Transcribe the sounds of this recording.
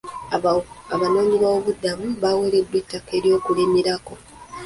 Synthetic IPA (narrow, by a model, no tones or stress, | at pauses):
aβano̞ːɲiβwaoβudːaβuβawele̞dwetːake̞ːɾjo̞ːkulimiɾako̞